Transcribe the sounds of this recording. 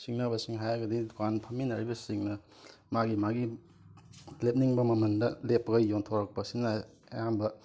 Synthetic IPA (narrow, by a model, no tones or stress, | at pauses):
siŋnɐbɐsiŋɦajɡɐdidukanpʰɐminɐɾibɐsiŋnɐ | maɡimaɡi | lep̚niŋbɐmɐmɐndɐlepːɐɡɐjontʰoɾɐk̚pɐsinɐ | jambɐ